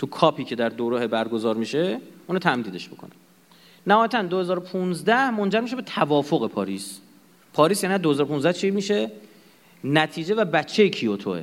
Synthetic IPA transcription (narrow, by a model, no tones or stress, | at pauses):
t̪ʰukʰɒːpʰiːcʰe̞d̪æɾd̪oɾohebæɾɡo̞zɒːɾmiːʃeuːnɑt̪ʰæmd̪iːd̪e̞ʃbokʰo̰næ | næhɒːjæt̪ʰænd̪o̞hezɒːɾopʰunzd̪æhmo̞nd͡ʒæɾmiʃ̬eet̪ʰævɒːfoɣe̞pʰɒ̰ːɾiːs | pʰɒːɾiːs̬jæːninæd̪ohezɔːɾounzd̪æht͡ʃʰimiːʃe̞ | næt̪ʰiːd͡ʒe̞væbæt͡ʃʰːe̞jecʰiot̪ʰo̰ḛ